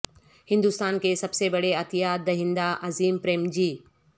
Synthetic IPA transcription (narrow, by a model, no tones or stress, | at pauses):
hɪ̃nd̪ust̪aːnkesɐbsebɐɽeɐt̪ijaːd̪̚ːɐɦĩnd̪aʔɐziːmpɾeːmd͡ʑiː